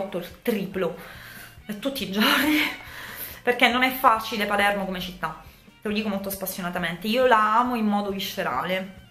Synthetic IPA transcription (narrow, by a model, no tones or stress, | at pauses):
t̪ːot̪ɾiːplo | ɛt̪ːut̪ːid͡ʒːaɾi | perkenːonɛfːat͡ʃilepalɛrmokomet͡ʃit̪ːa | t̪elod̪iːkomolt̪ospasːjonat̪ament̪eiːolaaːmoimːɔːd̪ovisːeɾa̰ːle